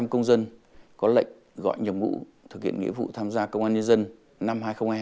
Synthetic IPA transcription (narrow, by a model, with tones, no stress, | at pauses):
mkə˧wŋ͡mzə˧nkɔ˨˦lə̰˧˨jŋ̟ | ɣɔ̰˧˨jɲə˨˩mmṵ˧˥t̪ʰɨ˨˩k̚hi˧˨ənŋḭ˧˥əvṵ˧˨t̪ʰaː˧mzaː˧kə˧wŋ͡mʔaː˧nɲə˧nzə˧n | na˧mɦaː˧jxə˧wŋ͡mhaː˧j